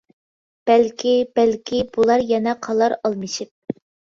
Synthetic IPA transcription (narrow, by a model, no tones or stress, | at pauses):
b̥ælkʲʰibælkʲʰibulˠɑɾjɛnɛqʰɑlˠɑɾɑlˠmɨʃip̚